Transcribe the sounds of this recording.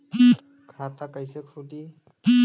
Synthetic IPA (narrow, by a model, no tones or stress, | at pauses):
kʰatakajsekʰudi